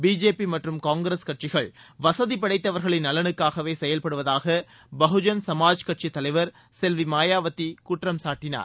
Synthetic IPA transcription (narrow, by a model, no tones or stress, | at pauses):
biːd͡ʒeːpimɐʈrɯmkaːŋɡɾɐskɐʈ̚t͡ʃɪɣɐɭʋɐsɐðipɐɽɐɪt̪ːɐʋɐɾɣɐɭɪnːɐlɐnɯkːaːɣɐʋeːsɛjɐlpɐɽɯʋɐðaːɣɐ | bɐɦɯd͡ʒɐnsɐmaːd͡ʒkɐʈ̚t͡ʃit̪ːɐlɐɪʋɐɾ | sɛlʋimaːjaːʋɐt̪ːikuːʈrɐmsaːʈːɪna̰ːɾ